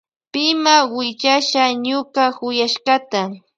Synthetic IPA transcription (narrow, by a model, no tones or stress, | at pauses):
pɪmawɪt͡ʃaʃaɲʊkahʊjaʃɢɑt̪a